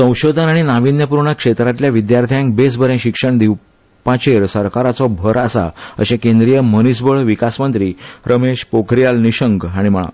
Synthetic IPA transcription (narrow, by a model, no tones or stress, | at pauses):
sə̃w̃ɕod̪ʱənaɽ̃inaʋinjəpuɾɳəkʂet̪ɾat̪ljaʋid̪jaɾt̪ʰijãŋk̚besbʱəɾẽɕikʂəɳd̪iw | pat͡ɕeɾsəɾkaɾat͡sɔbʱəɾasa̰ə̰ɕekẽnd̪ɾijəmənisbəɭʋikasmənt̪ɾiːɾəmeɕpokʰɾijalniɕəŋɡaɽ̃im̤əɭ̃a̰